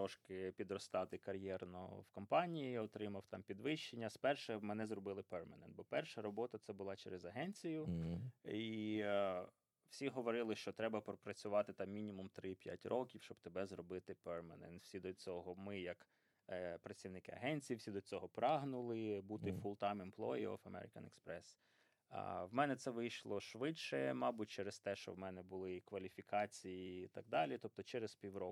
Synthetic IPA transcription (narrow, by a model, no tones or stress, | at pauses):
ɔʃkɪpʲid̪ɾɔst̪ɑt̪ɪkɐɾʲjɛrnɔ̰wkɔmpɑnʲijiɔt̪ɾɪmɐwt̪ɑmpʲid̪ʋɪʃt͡ʃenʲːɐspɛrʃɛmɛnɛzrɔbɪlˠɪpɛrmɐnɛ̰nbɔpɛrʃɐɾɔbɔt̪ɐt̪sɛbʊlˠɑt͡ʃɛɾezɐɦɛnʲt͡sʲijʊ | i | wsʲiɦɔʋɔɾɪlˠɪʃt͡ʃɔt̪ɾɛbɐpɾɔpɾɐt͡sʲʊʋɑt̪ɪt̪ɑmːʲinʲimumt̪ɾɪpʲja̰tʲrʔɔkʲiwʃt͡ʃɔbt̪ebɛzrɔbɪt̪ɪpɛrmɐnɛ̰nt̪wsʲid̪ɔt͡sʲɔɦɔmɪjɐk | pɾɐsʲt̪ʲiwnɪkɪɐ̰ɦɛnʲt͡sʲijiwsʲid̪ɔt͡sʲɔɦɔpɾɑɦnʊlˠɪbut̪ɪfʊlˠt̪ɑmɪmplˠɔ̰iɔ̰fɐmɛ̰ɾɪ̰kɐ̰nɛ̰kspɾɛs | wmɛnɛt̪sɛʋɪjʃlˠɔʃʋɪt͡ʃʃɛmɑbʊt̚ʲt͡ʃɛɾest̪ɛʃt͡ʃɔ̰wmɛnɛbʊlˠɪkʋɐlʲifʲikɑt͡sʲijiːt̪ɑɡ̚d̪ɑlʲit̪ɔp̚t̪ɔt͡ʃɛɾespʲiwɾɔkʊ